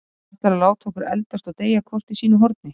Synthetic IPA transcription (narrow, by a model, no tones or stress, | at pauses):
t̪aɾalaːwt̪ʰɔkʏɾɛ̰lt̪ast̪ɔɣt̪eːjakʰvɔr̥t̪isiːnʏɦɔɾt̪̚nɪ